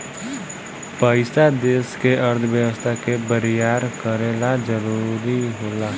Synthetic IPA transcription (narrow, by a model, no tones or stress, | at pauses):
pəɪsad̪eːskeʔəɾt̪ʰʋjəʋəst̪ʰakebəɾjaːɾkəɾeːlad͡ʒəɾuɾiɦoːlaː